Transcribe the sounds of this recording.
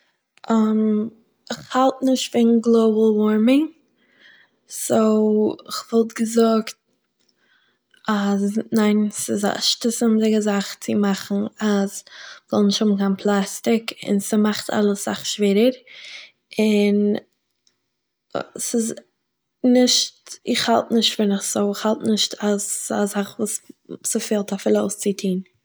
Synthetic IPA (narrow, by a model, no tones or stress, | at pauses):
ʔam | ɪχhalˠtnɪʃtfɪnɡlˠoʊbl̩ˠwɔɾmɪŋ | soʊɪχvɔlˠtɡəzʊkt̚ | aznaɪnsɪza̰ʃtəsɪmdɪɡəzaχt͡sɪmaχn̩azz̥ɔ̰lˠnɪʃthʊbn̩kaɪnpʰlˠastɪkɪ̰nsimaχtʰa̰lˠəsz̥a̰χʃveːɾəɾ | ɪn | sɪz | nɪʃtɪχhalˠtnɪʃtfɪnɪχz̥oʊɪχhalˠtnɪʃtʰaza̰zaχvuːssəfeːlˠtafɪlˠoʊst͡sɪtʰiːn